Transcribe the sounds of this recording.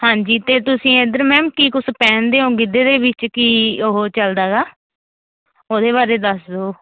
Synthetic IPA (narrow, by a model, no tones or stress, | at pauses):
hãːɲd͡ʒiːt̪eːt̪ʊsĩːed̪əɾmɛːmkiːkʊspɛ̃ːnd̪eːõːɡɪd̪eːd̪eːbɪt͡ʃkiːoɦoːt͡ʃəld̪aːɡaː | oːd̪eːβaːɾeːd̪əsd̪oː